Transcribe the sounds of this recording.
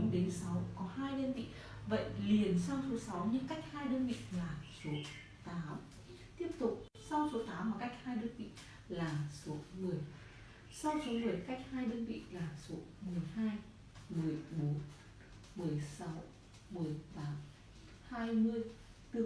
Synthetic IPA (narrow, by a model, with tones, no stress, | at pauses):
ɗe˨˦nsa˨˦wkɔ˨˦haː˧jɗəː˧nvḭ˧˨və̰˧˨jli˨˩ənsa˧wso˨˦sa˨˦wɲɨ˧ŋka˦˥jk̟̚haː˧jɗəː˧nvḭ˧˨laː˨˩so˨˦ | t̪aː˨˦m | t̪i˦˥əp̚t̪ʊ˨˩k͡p̚ | sa˧wso˨˦t̪aː˨˦mvaː˨˩ka˦˥jk̚haː˧jɗəː˧nvḭ˧˨ | laː˨˩so˨˦mɨ˨˩əj | sa˧wso˨˦mɨ˨˩əjka˦˥jk̚haː˧jɗəː˧nvḭ˧˨laː˨˩so˨˦mɨ˨˩əjɦaː˧j | mɨ˨˩əjɓo˨˦n | mɨ˨˩əjsa˨˦w | mɨ˨˩əjt̪aː˨˦m | haː˧jmɨ˧əj | t̪ɨ˧